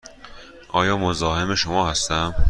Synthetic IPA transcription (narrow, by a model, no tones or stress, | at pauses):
ʔɒːjɒːmozɒːhemeʃomɒːhæst̪æm